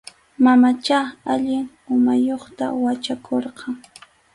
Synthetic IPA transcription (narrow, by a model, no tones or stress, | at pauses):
mamat͡ʃaaʎɪŋ | ʊmajoχt̪a̰wat͡ʃakʰoɾqɑŋ